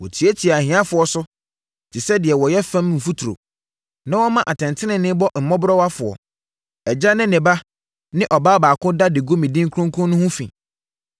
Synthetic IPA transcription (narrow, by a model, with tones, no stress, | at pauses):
wɔ˨tʰi˨˦e˦tʰi˨a˨hĩ˨ã˦fʊ˨ɔ˨sʊ˦ | tʰɪ˨sɛ˦dɪ˨ɛ˨wɔ˨jɛ˦fã˦mm̩˨fu˦tʰu˨ɾo̰˨ | nã˦wɔ˦mã˦ʔa˨tʰɛ̃˨ntʰɪ˦nɪ̃˨nːɪ̃˦bɔ˦m̩˨mɔ̃˦bɾɔ˦wa˦fʊ˨ɔ̰˨ | ɛ˨d͡ʑa˦nɪ̃˦nɪ̃˨ba˦ | nɪ̃˦ʔɔ˨baː˦baː˨kʰʊ̃˦da˦dɪ˨ɡo˦mĩ˨dĩ˦ŋkʰɔ̃˦ŋkʰʊ̃˦nʊ̃˦hʊ̃˦fḭ̃˨